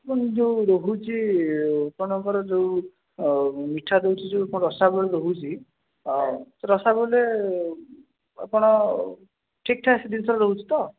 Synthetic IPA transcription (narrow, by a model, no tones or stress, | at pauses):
pɔnd͡ʒewɾoɦut͡ʃʰi | pɔɽ̃ɔŋkɔɾɔd͡ʒew | miʈʰad̪ewt͡ʃʰit͡ʃʰuapɔɽɔɾɔsabɔleɾoɦut͡ʃʰi | t̪ɔɾɔsabɔle | a̰pɔɽ̃ɔ | ʈʰik̚ʈʰasid̪insʰɔɾɔɾoɦut͡ʃʰi̥t̪ɔ